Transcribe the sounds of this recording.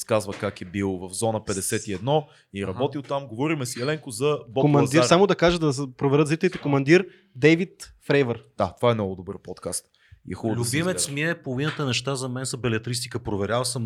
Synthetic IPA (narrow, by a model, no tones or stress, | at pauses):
skazvəkakɛbilˠvɐvzɔnəpɛd̪ɛsɛt̪iɛd̪nɔ | iɾɐbɔt̪ilˠt̪amɡovɔɾimɛsiɛlɛŋkʊzɐbɔkomɐnd̪iasamod̪ɐkaʒəd̪ɐpɾovɛɾət̪zɾit̪ɛlit̪ɛkomɐnd̪iɾ | d̪ɛvit̪fɾɛjvəɾd̪̥at̪ovaɛmnɔɡʊd̪obəɾpɔt̪kast̪ | ḭɛxubəlʲuimɛt̪smiɛpolˠovinət̪ənɛʃt̪azɐmɛnsɐbɛlɛt̪ɾist̪ikəpɾovɛɾʲjalˠsəm